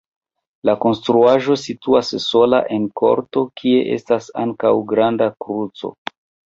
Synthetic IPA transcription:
lako̞nstɾuaʒo̞situasːo̞la̰ʔe̞nkʰo̞̰ɾto̞kʰie̞ʔe̞̰stasa̰ŋkawɡɾandakɾut͡so̞̰

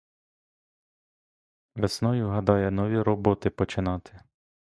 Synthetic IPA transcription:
ʋesnɔjʊɦɐd̪ɑjɛnɔʋʲiɾɔbɔt̪ɪpɔt͡ʃɪnɑt̪ʰɪ̥

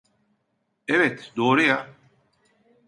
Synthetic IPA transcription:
ɛvɛt̪d̪oːɾɯja

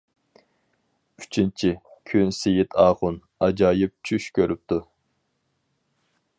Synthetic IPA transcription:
y̥t͡ʃʰint͡ʃʰikʲʰynsejɪt̪ʰɑːʁʊn | ɑd͡ʒɑːjɪp̚t͡ʃʰyʃkʲʰøɾyp̚t̪u

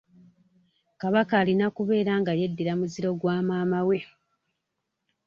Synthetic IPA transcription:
kaβakaːlinakuβe̞ːɾaŋɡaje̞dːiɾamuziɾo̞ɡwaːmaːmawe̞

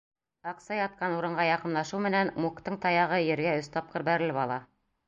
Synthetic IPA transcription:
ɑqsɑjɑt̪̚qɑnuɾɤ̆ɴɢɑjɑqɤ̆mlˠɑʃɤwmɘ̆nænmukt̪ɤɴt̪ɑjɑʁɤjɘ̆ɾɡæɵst̪ɑp̚qɤɾbæɾɘ̆lɘpɑlˠɑ

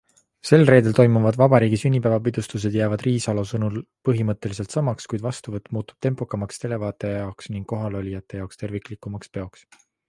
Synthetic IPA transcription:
se̞lre̞ːd̪̥e̞lt̪o̞jmuvɑd̪vɑbɑɾiːɡisynʲːipævɑpid̪ust̪us̬e̞d̪̥jæːvɑd̪̥riːsɑlosɤnulpɤɦimɤt̪ːˑe̞liselt̪sɑmɑkskujd̪vɑst̪uvɤt̪ːˑmuːt̪ːˑu̥b̥t̪e̞mpˑokːˑɑmɑkst̪e̞le̞vɑːt̪ˑe̞jɑoksniŋɡ̥kːo̞ɦɑlo̞lʲijɑt̪ːˑe̞jɑokst̪e̞rvikˑlikːˑumɑkspe̞o̞ks

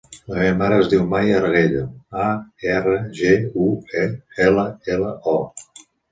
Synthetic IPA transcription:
ləmeβəmaɾəːzðiwmajəɾɣeʎəaɛrəʒeueɛləɛləɔ

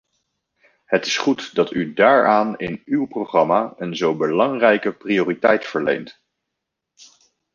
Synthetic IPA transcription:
ɦətɪ̥sχutdɑtydaːɹaːnɪ̰nywproχrɑmaːənzowbəlɑŋrɛjkəprioːritɛjtfəɹlḛjnt

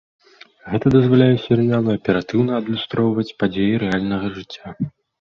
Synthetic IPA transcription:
ɣɛt̪ɐd̪ɐzvalʲajɛsʲɛɾɨjalˠɐɐpʲɛɾat̪ɨwnɐːd̪lʲust̪ɾɔwvɐt͡sʲpad͡zʲejiɾɛalʲnɐɣɐʐɨt͡sʲːa

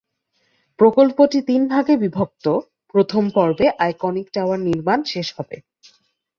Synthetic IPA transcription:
pɾokolpoʈit̪inbʱaɡebibʱob̚t̪o | pɾot̪ʰompɔɾbeʔajkɔnikʈawaɾniɾmanʃeʃhɔbe

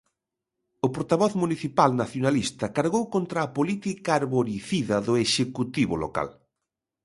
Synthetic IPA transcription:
ʊpoɾt̪aβɔθmuniθipalnaθjonalist̪ɐkaɾɣowkont̪ɾɐːpolit̪ikaːɾβoɾiθiðɐðʊeʃekut̪iβʊlo̰ka̰l

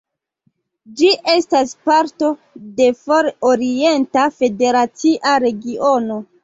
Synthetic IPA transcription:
d͡ʒiʔe̞staspaɾto̞ | de̞foɾoɾie̞ntafe̞de̞ɾat͡siʔaɾe̞ɡiʔo̞no̞

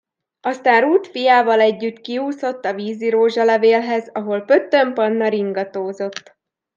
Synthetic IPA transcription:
ɒst̪aːnruːt̪fijaːvɒlɛɟːyt̪kiuːso̞t̪ːɒviːziɾoːʒɒlɛveːlɦɛzɒɦo̞lpø̞t̪ːømpɒnːɒɾiŋɡɒt̪oːzo̞t̪ː

